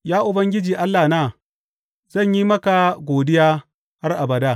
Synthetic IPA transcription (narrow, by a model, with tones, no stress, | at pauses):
jaː˦ʔʊ˨bɐ˦ŋɡʲɪ˦d͡ʒiː˨ʔa˦lːaː˨naː˦˨ | z̥ɐ˦˨ɲji˦mɐ˦ka˨ɡʷoː˨dɪ˦jaː˦ | ha˦rʔa˨bɐ˨daː˦˨